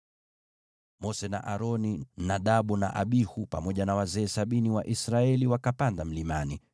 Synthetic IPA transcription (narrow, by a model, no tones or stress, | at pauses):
mɔsɛna̰ʔaɾɔninaɗaɓuna̰ʔaɓihupa̰mɔʄanawazɛːsaɓiniwaʔisɾaɛliwakapandam̩limani